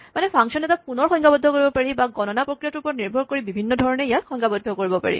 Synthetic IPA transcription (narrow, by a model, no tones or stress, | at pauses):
manɛpʰaŋsɔnɛtapunɔɹxɔjŋkʰabɔdʱːɔkoɹibɔpaɹibaɡɔnɔnapɹokɹijatupɔniɹbʱɔɹkoɹibibʱinːɔdʱɔɹɔneijatxɔŋkabɔdʱːɔkoɹibɔpa̰ɹḭ